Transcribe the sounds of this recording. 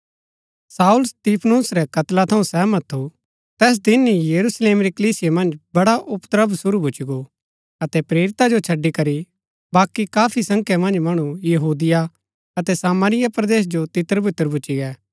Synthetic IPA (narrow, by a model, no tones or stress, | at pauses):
saːʊlst̪iːpʰnuːsɾɛkɐt̪lat̪ʰɐũsɛːmɐt̪ʰːu | t̪ɛːs̬d̪ɪnijɐɾusleːmɾikəliːsɪjemɐ̃nd͡ʒbɐɽaʔʊpt̪əɾəbsʊɾubʱʊt͡ʃiɡo | ɐt̪ɛpɾeːɾɪt̪ad͡ʒot͡ʃʰɐɖːikɐɾi | baːkikaːpʰisɐ̃ŋkʰjamɐ̃nd͡ʒmɐɽ̃ũjɐɦuːd̪ɪja | ɐt̪ɛsaːmaːɾɪjapɾɐd̪eːs̬d͡ʒot̪ɪt̪ːəɾbɪt̪ːəɾbʱʊt͡ʃiɡɛː